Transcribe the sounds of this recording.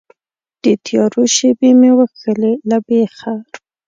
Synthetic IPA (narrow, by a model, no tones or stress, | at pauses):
d̪̥ət̪ʰjɑɾoʃebemewəxəlelabexa